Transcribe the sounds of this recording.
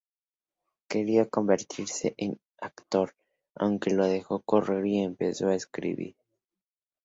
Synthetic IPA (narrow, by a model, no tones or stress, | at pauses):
ke̞ɾiako̞mbe̞ɾt̪ʰiɾse̞ʔen | akt̪o̞ɾ | a̰wŋke̞lo̞ðe̞xo̞ko̞re̞ɾie̞mpe̞soaeskɾḭβḭɾ